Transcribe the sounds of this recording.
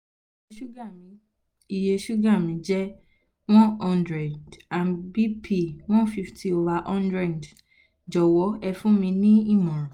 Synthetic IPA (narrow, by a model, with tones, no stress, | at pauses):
ʃu˦ɡa˦˨mĩ˧ | i˨je˧ʃu˦ɡa˦˨mĩ˨˦d͡ʒɛ˦ | w̃ɔ̃˦ɔ̃˧ndɾɛ˨da˨nbi˦pʰi˦˨w̃ɔ̃˦fi˧fti˧o˧va˧ʔɔ̃˦ndɾɛ˦˨d | d͡ʒɔ˨wɔ˨˦ɛ˧fũ˦mĩ˧nĩ˦i˦˨mɔ̃˨ɾ̃ɔ̃˨